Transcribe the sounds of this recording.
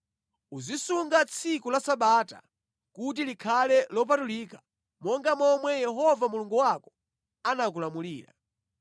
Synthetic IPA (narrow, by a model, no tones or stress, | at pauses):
uzisuŋɡat͡sʰikulasaɓaːta̰ | kut̬ilikʰalɛlɔp̬atuliːkḁ | mɔŋɡamɔmwɛjɛɦɔvamuluŋɡuwakɔ̥ | anakulamuliːɾa̰